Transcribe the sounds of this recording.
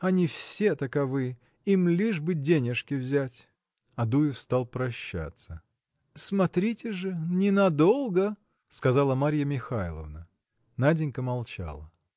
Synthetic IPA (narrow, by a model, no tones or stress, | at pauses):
ɐnʲɪfsʲe̞t̪əkɐvɨ | imlʲiʐbɨdʲenʲɪʂkʲɪvzʲætʲ | ɐd̪ujɪfst̪alˠpɾɐɕːa̰t̪sə | smɐt̪ɾʲitʲɪʐɨnʲɪnɐd̪o̞lˠɡə | skɐzɑlˠəmaɾʲjəmʲɪxajlˠə̰vnə | nadʲɪnʲkəmɐlˠt͡ɕa̰lˠə